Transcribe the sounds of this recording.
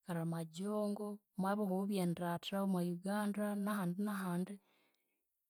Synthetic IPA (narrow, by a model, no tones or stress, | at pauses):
kaɾamaɟoːŋɡo | mwaβoɣouβjendɾatɾaomwajuɡaːndanahaːndinahaːndi